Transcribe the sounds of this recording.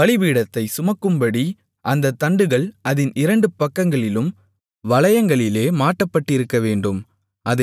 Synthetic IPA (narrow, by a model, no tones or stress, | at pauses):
ɐɭɪʋiːɽɐt̪ːɐɪsʊmɐkːɯmbɐɽi | ʔɐnd̪ɐt̪ːɐɳɖɯɣɐɭɐðɪnɪɾɐɳɖɯpɐkːɐŋɡɐɭɪlɯm | ʋɐɭɐjɐŋɡɐɭɪleːmaːʈːɐpːɐʈːɪɾɯkːɐʋeːɳɖɯm | ʔɐðɐ